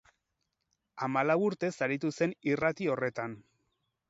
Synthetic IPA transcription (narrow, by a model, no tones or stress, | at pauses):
amalawuɾt̪e̞saɾit̪use̞nirat̪io̞re̞t̪an